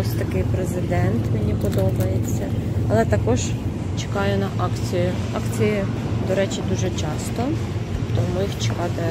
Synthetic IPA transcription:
ɔsʲt̪ɐkɪjpɾezɪd̪ɛnt̪menʲipɔd̪ɔbɐjet͡sʲːɐɐ̰lˠɛt̪ɐkɔʒ | t͡ʃe̥kɑjʊnɐʔɑkt͡sʲijʊ | ɑkt͡sʲiji | d̪ɔɾɛt͡ʃɪd̪uʒɛt͡ʃɑst̪ɔ | t̪ɔmʊjixt͡ʃɪ̥kɑt̪ɪ

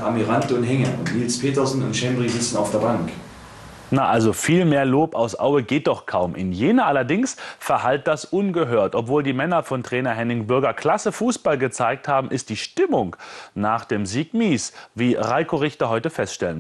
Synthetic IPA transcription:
ʔamiʁantəʊnhɛŋəʊntniːlspʰeːtɐzn̩ʊ̰ntʃɛmʁizɪt͡sn̩aʊfd̥eːɐbaŋk | naʔalzofiːlmeːɐloːpaʊsʔa̰ʊəɡeːt̚d̥ɔχkʰaʊmʔɪ̰njeːnɐʔalɐdɪŋsfɛɐhalt̚d̥asʔʊnɡəɦøːɐtʔɔpv̥oːldiːmɛnɐfɔntʁ̥ɛːnɐɦɛnɪŋbʏɐɡɐkʰl̥asəfuːsb̥alɡət͡saɪk̚thaːbm̩ʔɪstd̥iːʃtɪmʊŋnaːχd̥eːmziːkmiːsviːʁaɪkoʁɪçtɐɦɔʏtəfɛstʃtɛlən

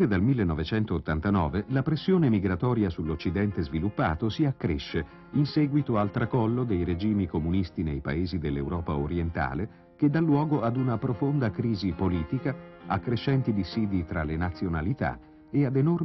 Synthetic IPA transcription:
ed̪almilːenːɔvet͡ʃɛnt̪oːt̪ːant̪anɔ̰ːvelapɾesːjoːnemiɡɾat̪ɔːɾjasulːot͡ʃːid̪ɛnt̪ezvilupːa̰ːt̪osiakːɾeʃːe | insɛːɡwit̪oalt̪ɾakɔlːod̪ejɾed͡ʒiːmikomunist̪inḛjpa̰eːzid̪elːewɾɔːpaoɾjent̪a̰ːle | k̟ed̪ːalːwɔːɡoad̪unapɾofond̪akɾiːzipoliːt̪ikaakːɾeʃːɛnt̪id̪isiːd̪it̪ɾalenat̪sːjonalit̪a̰ | ead̪enor

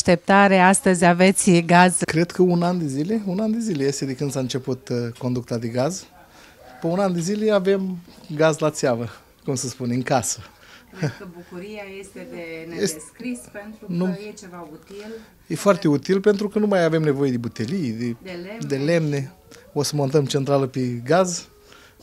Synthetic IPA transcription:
aʃt̪e̞p̚t̪aɾeast̪əzʲave̞t̪sʲɡazkɾed̪kʰəunand̪ezile̞unand̪ezile̞je̞st̪ed̪ekɨnd̪saɨnt͡ʃe̞put̪ko̞nd̪uk̚t̪ad̪eɡaz | pəunand̪ezile̞ave̞mɡazlat̪seavə | kumsəspunɨŋkasə | əbukuɾijajest̪ed̪eneseskɾisent̪ɾunujet͡ʃevaut̪il | jefoart̪e̞ut̪ilpe̞nt̪ɾukənumajave̞mne̞vo̞je̞d̪ebut̪elijd̪ed̪ed̪ele̞mne̞ | osəmo̞nt̪əmt͡ʃent̪ɾaləpeɡaz

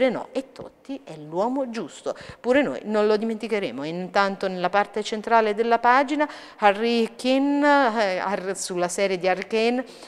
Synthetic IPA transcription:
ɾenɔ̰et̪ʰːo̰t̪ːiɛlwɔːmod͡ʒust̪opuːɾeno̰jnonlod̪iment̪ikeɾḛːmoint̪ant̪onelːapart̪et͡ʃent̪ɾaːled̪elːapaːd͡ʒina | arikin | arsulːasɛːɾjed̪iarkɛn

